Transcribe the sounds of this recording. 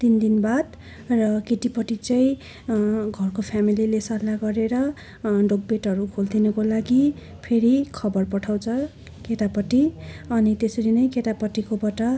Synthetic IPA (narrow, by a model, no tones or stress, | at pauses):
t̪ind̪inbad̪ | rʌkeʈipʌʈit͡sʌj̃ | ɡʱʌrkopʰjamililesʌlaɡʌɾeɾʌ | ɖok̚beʈɦʌɾukʰold̪inʌkolaɡi | pʰeɾikʰʌbʌrpʌʈʰaw̃t͡sʰʌ | ket̪apʌʈːiʌnit̪esʌɾinʌjket̪apʌʈːikobaʈʌ